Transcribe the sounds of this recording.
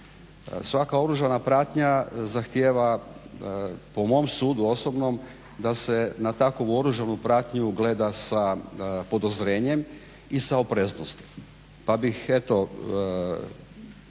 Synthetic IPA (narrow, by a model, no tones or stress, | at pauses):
sʋakao̞ɾuʒanapɾaːt̪ɲazaxt̪jeːʋa | pomo̞msuːd̪uo̞sobno̞m | d̪ase̞nat̪akoʋuo̞ɾuʒanupɾaːt̪ɲuɡle̞ːd̪asapo̞d̪ozɾe̞ːɲe̞m | isaopɾeznost̪i̥ | pabixe̞t̪o̞